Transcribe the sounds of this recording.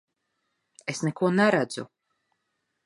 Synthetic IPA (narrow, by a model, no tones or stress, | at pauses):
esnɛkuɔnɛɾæd̪zṵ